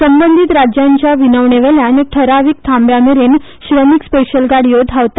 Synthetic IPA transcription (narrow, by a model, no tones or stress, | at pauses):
səmbənd̪ʱit̪ɾad͡ʑjaɲt͡ɕjaʋinəʋɳeʋeljanek̚ʈ̪ʰəɾaʋik̚t̪ʰãmbjameɾen | ɕɾəmikspeɕəlɡaɽ̤ijod̪ʱaʋt̪a